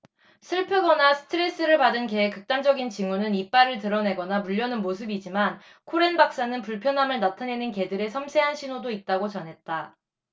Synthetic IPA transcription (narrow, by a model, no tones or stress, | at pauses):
sʰɯɭpʰɯɡʌnasʰɯ̥tʰɯɾe̞s͈ɯɾɯɭpadɯnkeekɯk̚t͈amd͡ʑʌɡint͡ɕiŋunɯnip͈aɾɯɭtɯɾʌne̞ɡʌnamuʎːjʌnɯnmosʰɯbid͡ʑiman | kʰoɾe̞nbak̚s͈anɯnpuɭpʰjʌnɦamɯɭnatʰane̞nɯnke̞dɯɾe̞sʰʌmsʰe̞ɦanɕʰinodoit̚t͈aɡot͡ɕʌnɦe̞t̚t͈a